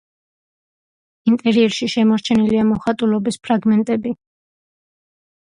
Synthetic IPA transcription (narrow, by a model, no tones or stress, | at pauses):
int̪ʼɛɾiɛɾʃiʃɛmɔɾt͡ʃʰɛniliamɔχat̪ʼulɔbispʰɾaɡmɛnt̪ʼɛbi